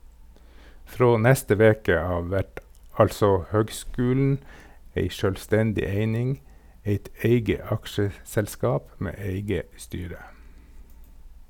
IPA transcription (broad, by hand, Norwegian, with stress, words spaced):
ˈfɾoː ˈnæstə ˈʋeːkə ˈɑːʋ ˈæʈ ˈɑlsɔ ˈhøːɡˌskʉːln̩ ˈeɪ ˈʃøːlˌstɛndɪ ˈeɪnɪŋ ˈeɪt ˈæɪɡə ˈɑkʃəsɛlˌskɑːp ˈmeː ˈeɪɡə ˈstyːɾə